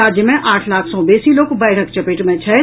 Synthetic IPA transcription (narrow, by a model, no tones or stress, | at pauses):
aːd͡ʒjəmẽʔaːʈʰlaːkʰsɔ̃beːsiloːkbaːɪɽək̚t͡ʃɐpɪʈmẽt͡ʃʰɛː